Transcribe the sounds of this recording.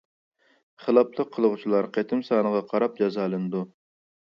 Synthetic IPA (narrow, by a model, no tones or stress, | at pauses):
χəlˠɑplˠəqʰːəlˠəʁut͡ʃʰilˠɑɾqʰet̪ʰɪmsɑːnəʁɑqʰɑɾɑp̚d͡ʒɑzɑːlˠɨnɨd̪u